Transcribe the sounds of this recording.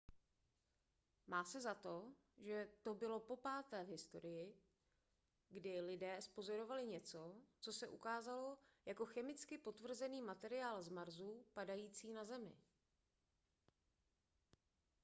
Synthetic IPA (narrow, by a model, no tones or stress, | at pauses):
maːsɛzat̪o̞ | ʒɛt̪o̞bɪlo̞po̞paːt̪ɛːvɦɪst̪o̞̰ɾɪjɪ | ɡdɪlɪdɛːspo̞zo̞ɾo̞valɪɲɛt͡sot͡so̞sɛʔukaːzalo̞jako̞xɛmɪt͡skɪpo̞t̪vr̩zɛniːmat̪ɛɾɪaːlzmaɾzupadajiːt͡siːnazɛmɪ̰